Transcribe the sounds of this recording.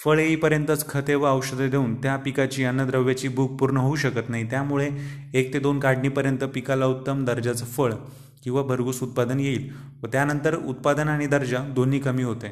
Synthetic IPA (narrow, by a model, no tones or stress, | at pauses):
fəɭeiːpəɾjənt̪ət͡skʰət̪eʋəəwɕəd̪ʱed̪ʱeuːnt̪japikat͡ɕiːənːəd̪ɾəʋjat͡ɕiːbʱuk̚puɾɳəɦouɕəkət̪naɦit̪jamuɭe | ek̚t̪ed̪onkaɽniːpəɾjənt̪əpikalaut̪ːəmd̪əɾd͡ʑat͡səfəɭ | kĩw̃ʋabʱəɾɡuːsut̪̚pad̪ənjeiːl | ʋət̪janənt̪əɾṵt̪̚pad̪ənaɽ̃id̪əɾd͡ʑad̪oniːkəmiːɦot̪e